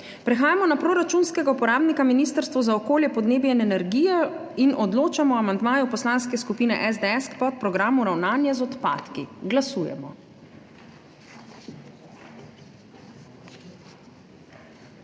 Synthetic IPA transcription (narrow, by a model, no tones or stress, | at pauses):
pɾɛxaːjamɔnapɾoːɾat͡ʃunskɛɡaupɔɾaːbnikaminiːst̪əɾst̪ʋɔzaɔkoːljɛpɔd̪neːbjɛnɛnɛɾɡiːjɛinʔɔd̪loːt͡ʃamɔamand̪maːjupɔslaːnskɛskupiːnɛ̰ʔɛzd̪ɛɛskpɔt̪̚pɾɔɡɾaːmuɾawnaːnjazɔt̪pa̰ːt̪kiɡlasuːjɛ̰mɔ